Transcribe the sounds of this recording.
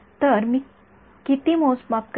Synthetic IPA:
t̪əɾmiː | kit̪imosmap̚k

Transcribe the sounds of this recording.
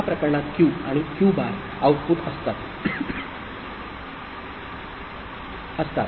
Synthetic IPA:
apɾəkəɾɳat̪kuaɽ̃ikuːbaɾ | aʋpuːt̪əst̪at̪ | əst̪at̪

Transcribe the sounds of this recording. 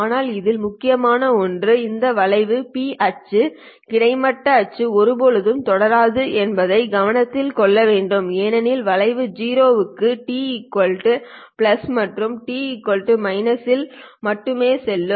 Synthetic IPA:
aːnaːlɪðɪlmʊkːɪjɐmaːnɐɔndrɯɪnd̪ɐʋɐɭɐɪʋɯpiːʔɐt͡ʃːɯ | kɪɽɐɪmɐʈːɐːt͡ʃːɯɔɾɯbɔɻɯðɯmt̪ɔɽɐɾaːðɯʔɛnbɐðɐɪɡɐʋɐnɐt̪ːɪlkɔɭːɐʋeːɳɖɯmeːnɐnɪlʋɐɭɐɪʋɯd͡ʒiːɾoːʋɯkːɯʈiːkːɔlʈɯ | plɐsmɐʈrɯmʈiːɪkːɔlʈɯmɐɪnɐsɪlmɐʈːɯmeːsɛlːɯ

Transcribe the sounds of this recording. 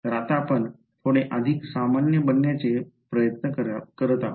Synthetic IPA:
ɾat̪apəɳ | t̪ʰoɽ̃eʔəd̪ʱiksamanjəbənːjat͡ɕepɾəjət̪nəəɾkəɾət̪a

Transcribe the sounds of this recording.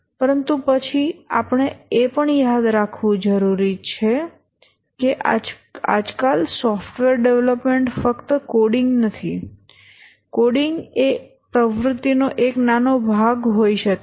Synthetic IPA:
pəɾənt̪ũpət͡ʃʰiapəɳ̃eepəɳjad̪ɾakʰʋũd͡ʒəɾuɾit͡ʃʰe | keʔa | a̰d͡ʒkalsɔfʈʋeɾɖeʋləpmeɳʈfəkt̪əkoɽiŋɡnət̪ʰi | koɽiŋɡe | pɾəʋɾʊt̪ːinoʔeknanobʱaɡɦoiʃəke

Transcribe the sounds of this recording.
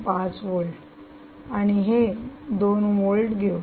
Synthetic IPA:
pãt͡sʋolʈ | aɽ̃iɦed̪onʋolʈɡʱeo

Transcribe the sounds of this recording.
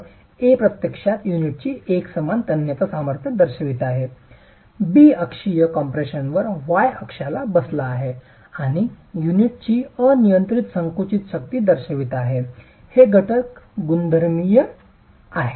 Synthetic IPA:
epɾət̪jəkʂat̪juniʈ̚t͡ɕiːeksəmant̪ənjət̪əsaməɾt̪ʰjəd̪əɾɕəʋit̪aɦe | biəkʂijəkɔmpɾeɕənʋəɾʋajəkʂalabəslaːɦe | aɽ̃i | juniʈ̚t͡ɕiːənijənt̪ɾit̪səŋkut͡ɕit̪ɕəkt̪iːd̪əɾɕəʋit̪aɦe | heɡʱəʈəkɡund̪ʱəɾmijə | aɦe

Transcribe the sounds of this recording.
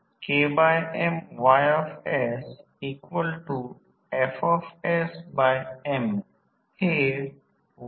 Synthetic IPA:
keːbaɪɛ̃mʋaɪɔfɛs | iːkwəlʈu | ɛfɔfɛsbaɪɛ̃m | he

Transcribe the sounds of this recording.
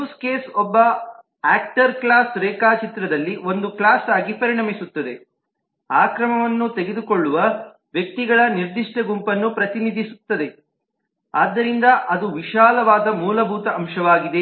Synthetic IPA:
uːskeːsɔbːɐ | aːk̚ʈɐɾklaːsɾɛːkaːt͡ʃit̪ɾɐd̪ɐlːio̞nd̪uklaːsaːɡipɐɾiɳɐmisut̪ːɐd̪e̞ | aːkɾɐmɐʋɐnːut̪eɡed̪ukoɭːuʋɐ | ʋjɐk̚t̪iɡɐɭɐniɾd̪iʂʈɐɡumpɐnːupɾɐt̪inid̪ʱisut̪ːɐd̪e̞ | aːd̪ːɐɾind̪ɐʔɐd̪uʋiʃaːlɐʋaːd̪ɐmuːlɐbʱuːt̪ɐʔɐmʃɐʋaːɡid̪e̞

